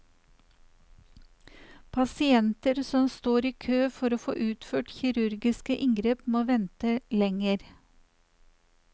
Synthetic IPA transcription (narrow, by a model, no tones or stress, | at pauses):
pʰɑsɪɛnt̪əɾsɔmst̪oːɾiːkʰøːfɔɾoːfo̰ːʔʉːt̪føːʈçɪɾʉɾɡɪskəʔɪŋɡɾeːpmoːʋɛnt̪əlɛŋəɾ